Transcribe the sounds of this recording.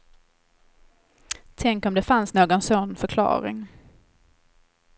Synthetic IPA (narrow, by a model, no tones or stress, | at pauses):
t̪ʰɛŋkɔmd̪ɛfansnoːɡɔnsɔnːfœɾkʰlɑ̰ːɾɪ̰ŋ